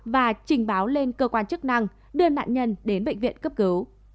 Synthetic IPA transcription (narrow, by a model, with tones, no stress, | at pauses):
vaː˨˩t͡ɕï˨˩ŋ̟ɓaː˨˦wle˧nkəː˧kwaː˧nt͡ɕɨ˦˥k̚na˧ŋ | ɗɨ˧əna̰ː˧˨nɲə˧nɗe˨˦nɓḛ˧˨ŋ̟vḭ˧˨ənkə˦˥p̚kɨ˨˦w